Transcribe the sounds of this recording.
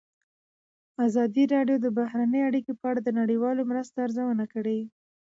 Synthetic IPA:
azɑd̪iɾɑɖjod̪əbahɾanəjaɽikopəaɽad̪ənaɽəwɑlomɾəst̪aaɾzawənakəɽe

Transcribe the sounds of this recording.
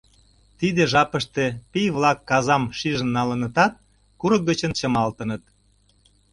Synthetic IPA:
t̪id̪eʒɑpəʃt̪epijβlɑkːɑzɑmʃiʒə̆nːɑlənət̪ɑt̪̚ | kuɾək̚ɡət͡ɕənt͡ɕəmɑlt̪ənət̪̚

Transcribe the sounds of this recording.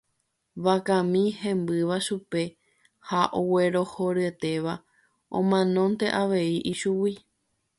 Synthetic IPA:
ʋakãmĩhẽ̞mbɨʋaʃupe̞ | haʔowe̞ɾo̞ho̞ɾɨe̞t̪e̞ʋa | ʔõ̰mãnõ̞nt̪e̞ʔaʋe̞iʔiʃuwi

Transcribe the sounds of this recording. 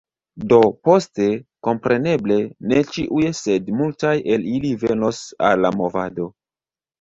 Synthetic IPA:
do̞po̞ste̞ko̞mpɾe̞ne̞ble̞ne̞t͡ʃiʔujese̞dmultaje̞lilive̞no̞sa̰lːamo̞va̰do̞

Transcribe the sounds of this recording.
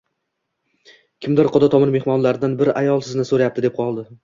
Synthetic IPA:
kʲʰɪmd̪ɪɾqʰɒd̪at̪ʰɒmɪɾme̞hmɒnlaɾɪd̪anbɪɾa̰jɒlˠsɪznɪsoɾajap̚t̪ʰɪd̪ep̚qʰɒlˠd̪ɪ

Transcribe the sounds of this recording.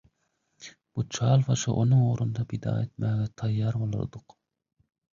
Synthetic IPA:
b̥ut͡ʃʰɑːlˠfɑʃɑ̰ʔonɨŋoɾund̪ɑbid̪ɑ̰ːḛt̪̚mɛːɡʲɛt̪ʰɑjːɑɾbolˠṵɾd̪ʊq

